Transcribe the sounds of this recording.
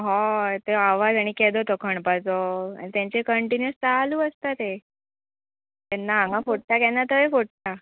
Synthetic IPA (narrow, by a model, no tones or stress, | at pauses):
ɦɔt̪eaʋad͡zaɽ̃iked̪ot̪okʰəɳpat͡soa̰ñit̪ãɲt͡ɕekəɳʈinjəst͡saɦluːəst̪at̪e | t̪ɛnːaɦãŋɡãfoɽ̚t̪akɛnːat̪əʋefoɽ̚t̪a